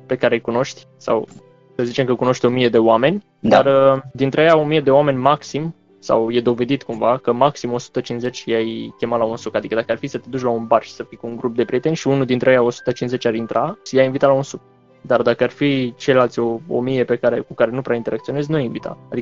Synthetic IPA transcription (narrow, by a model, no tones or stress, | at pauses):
pe̞kaɾe̞jkuno̞ʃt̪ʲ | sa̰w | səzit͡ʃe̞mkəkuno̞ʃt̪ʲo̞mije̞d̪e̞oame̞nʲ | d̪arəd̪int̪ɾeəjao̞mijed̪e̞oame̞nʲmaksim | sa̰wje̞d̪o̞ve̞d̪it̪kumvakəmaksimo̞su̥t̪ət͡ʃinsze̞t͡ʃʲajkʲe̞malaunsukad̪ikəd̪akəarfisət̪e̞d̪ut͡ʃlaunbarʃsəfijkuuŋɡɾup̚d̪e̞pɾijet̪e̞nʲʃiunud̪int̪ɾeəjao̞su̥t̪ət͡ʃinze̞t͡ʃʲaɾint̪ɾʔajajinvit̪alaunsuk̚ | d̪ard̪akəarfit͡ʃellalt̪ʲo̞o̰mije̞pe̞kaɾe̞kukaɾe̞nupɾaint̪eɾakt̪sio̞ne̞znuajinvit̪ʰa̰ːd̪iə